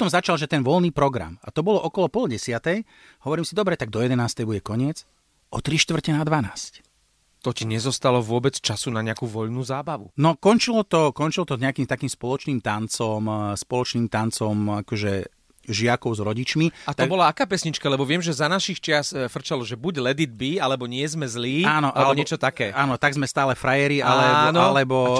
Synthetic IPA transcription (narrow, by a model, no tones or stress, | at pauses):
pɔ̥t̪ɔmzat͡ʃalʒɛt̪ɛnʋɔlniːpɾɔɡɾa̰ma̰t̪ɔbɔlɔʔɔkɔlɔpɔlɟɛsɪat̪ɛj | hɔʋɔɾiːmsid̪ɔbɾɛt̪aɡ̚d̪ɔjɛd̪ɛnaːst̪ɛjbuɟɛkɔɲɪɛt͡s | ʔɔt̪ɾiʃt̪ʋr̩cɛnad̪ʋanaːsc | t̪ɔciɲɛzɔst̪alɔʋʊɔbɛt͡st͡ʃasunaɲɛakuːʋɔʎnuːzaːbaʋṵnɔkɔnt͡ʃilɔt̪ɔkɔnt͡ʃilɔt̪ɔɲɛakiːmt̪akiːmspɔlɔt͡ʃniːmt̪ant͡sɔmspɔlɔt͡ʃniːmt̪ant͡sɔmakɔʒɛ | ʒɪakɔʊzɾɔɟit͡ʃmiat̪ɔɡbɔlaakaːpɛsɲit͡ʃkalɛbɔʋɪɛmʒɛzanaʃixt͡ʃɪasfr̩t͡ʃalɔʒɛbuɟlɛd̪id̪̚bialɛbɔɲɪɛzmɛzliːaːnɔʔaɛbɲɪɛt͡ʃɔt̪akɛːaːnɔt̪aɡzmɛst̪aːlɛfɾajɛɾiʔalɛnlɛbɔ